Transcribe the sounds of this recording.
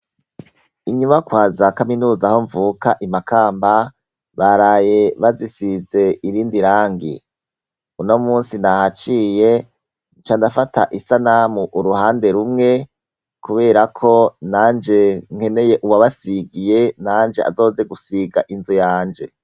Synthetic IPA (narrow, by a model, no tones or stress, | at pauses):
iɲumakwaːzakaminuːzaho̞ɱvukaʔimakaːmba | βaɾaːje̞βazisize̞iɾiːndiɾaːŋɡḭ | uno̞muːnsinahat͡ʃiːje̞ | t͡ʃaːndafata̰ʔisanamuʔːɾuhaːnde̞ɾumŋe̞ | kuβe̞ːɾakʰo̞naːnd͡ʒe̞ŋ̥he̞ne̞je̞ʔuwaβasiɡije̞naːnd͡ʒe̞ʔa̰zo̞ːze̞ɡusiɡa̰ʔinzujaːnd͡ʒe̞